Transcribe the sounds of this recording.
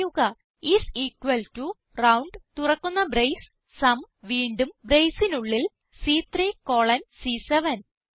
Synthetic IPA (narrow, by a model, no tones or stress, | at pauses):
juɣɐ | isiːkːwɐltu | rɐwɳɖt̪urɐkːunːɐbɾejs | sɐm | ʋiːɳɖumbrejsinuɭːil | siːt̪riːkoːɭɐnsiːseʋɐn